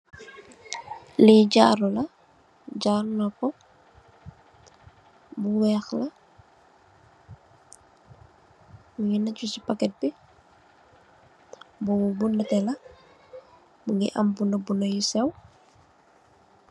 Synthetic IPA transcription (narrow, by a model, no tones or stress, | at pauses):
liɟaɾulɐ | ɟaːɾnɔkɔ | buwɛːxlɐ | muŋinɐcusipakɛt̚bi | buwbunːɐtɛlɐ | muŋḭʔɐ̰mbunəbunəjusɛw